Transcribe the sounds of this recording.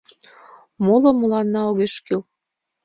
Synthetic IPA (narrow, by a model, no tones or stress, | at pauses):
moləmə̆lɑnːɑoɣeʃkyl